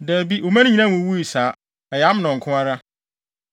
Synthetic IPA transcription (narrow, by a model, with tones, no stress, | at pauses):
dɛ˨bi˦ʔo˨mã˦ɪ̃˦ɲĩ˨nã˦mʊ̃˨˦wu˦i˨saː˨˦ | ɛ˨ja˦m˦nɔ̃˨ŋ̩˨kʰʊ̃˦a˦ɾa˦